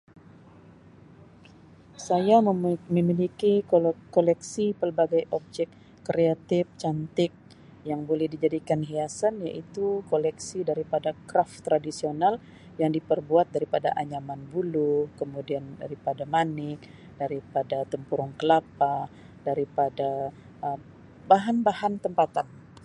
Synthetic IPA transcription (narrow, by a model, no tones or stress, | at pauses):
sajamməmilikikolɛksipərbaɡajʔɔb̚d͡ʒɛkː | ɾeat̪ɪft͡ʃant̪ɪk̚ | jaŋbolɛhdid͡ʒadikanɦiasanjaʔit̪ukolɛksidaɾipadakɾaft̪ɾadisional | jaŋdipərbuat̪̚daɾipada̰ʔaɲamanbulukəmudianda̰ɾipadamanɪk̚ | daɾipadat̪əmpuɾʊŋkəlapa | daɾipada | ʔə | baɦanbaɦant̪əmpat̪an